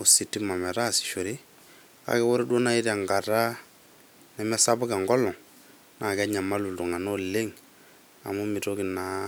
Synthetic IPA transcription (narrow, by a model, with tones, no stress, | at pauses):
o˨si˨tːi˦ma˨mɛ˨ɾa˦˨sɪ̥˨ʃo˨ɾi˦ | ka̰˨˦kɛ˦wo˦ɾo˦do˦na˦i˦ɾa˨ŋɡa˨ta˦ | nɛ˨mɛ˦sa˦bʊ˦ka˨ŋɡɔ˦lɔ˨ŋ | na˨kɛ˦ɲa˨ma˦lu˨ldu˨ŋa˨no˦le˦ŋ | a̰˨mu˦mi˨to˦kɪ˨na˨